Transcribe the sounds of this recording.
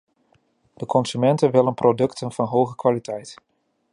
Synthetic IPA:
d̥əkʰɔnsymɛntənʋɪlənprodɵktʰənvɑnɦowχəkʋaːlitʰɛjt

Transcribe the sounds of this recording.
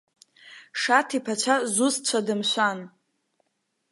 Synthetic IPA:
ʂatʰipʰat͡ʃʷʰazust͡ɕʷʰadɨmʃʷan

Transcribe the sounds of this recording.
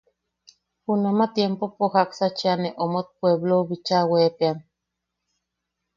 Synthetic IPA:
hunamat̪jempopoxaksat͡ʃianeʔomot̪̚pweβloβit͡ʃawepean

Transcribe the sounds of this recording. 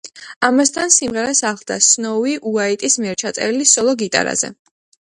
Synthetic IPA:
amast̪ʰansimʁɛɾasaχlˠd̪a̰snɔwiʔuait̪ʼismiɛɾt͡ʃʰat̪sʼɛ̰ɾilisɔlˠɔɡit̪ʼa̰ɾa̰z̥ɛ̰

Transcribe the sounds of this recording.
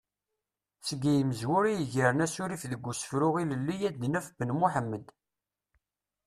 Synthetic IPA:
səɡijməzwʊɾijəʝəɾənæsʊɾifðəɡʷːusə̥fɾʊʁiləlːijæd̪næfbənmuħəmːəd̪

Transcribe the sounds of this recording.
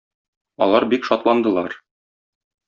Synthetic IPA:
ɒ̰lˠɑɾbikʃɒt̪lˠɑnd̪ɤ̆lˠɑɾ

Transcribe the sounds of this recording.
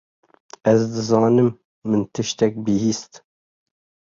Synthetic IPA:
ɛzd̪ɨzɑːnɨmː | ɨnt̪ʰɨʃt̪ɛk̚bɨhiːst̪

